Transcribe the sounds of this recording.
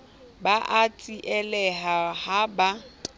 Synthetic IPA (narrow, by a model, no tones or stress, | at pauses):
baʔat͡sʼiʔɛlɛɦahaba